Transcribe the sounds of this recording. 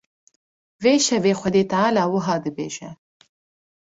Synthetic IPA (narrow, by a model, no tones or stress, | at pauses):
veʃavexʷad̪et̪aalɑwʊɦɑd̪əbḛʒa